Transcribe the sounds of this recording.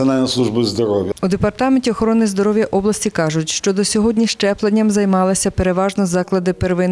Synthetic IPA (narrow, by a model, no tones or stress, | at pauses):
ɐnalʲnɔslˠuʒbɨzd̪ɔɾɔwjɐud̪epɐrt̪ɑmenʲtʲiɔxɔɾɔnɪzd̪ɔɾɔwjɐʔɔblˠɐsʲtʲikɑʒʊtʲʃt͡ʃɔd̪ɔsʲɔɦɔdʲnʲiʃt͡ʃɛplˠɐd̪ʲnʲːɐmzɐjmɑlˠɐsʲɐpeɾeʋɑʒnɔzɑklˠɐd̪ɪperʋɪn